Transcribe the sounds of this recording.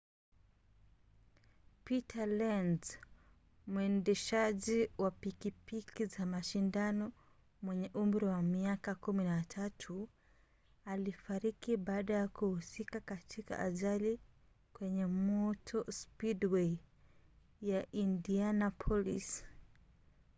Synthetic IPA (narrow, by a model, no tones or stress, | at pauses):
pitʰalɛnz | muɛndɛʃaʄiwapikipikizamaʃindanɔ | mwɛɲɛʔumɾiwamiakakuminatʰatʰu | alifaɾikiɓaːɗajakuhusikakatʰika̰ʔa̰ʄali | kwɛɲɛmɔtʰɔspidwei | jaʔindianapʰɔlḭs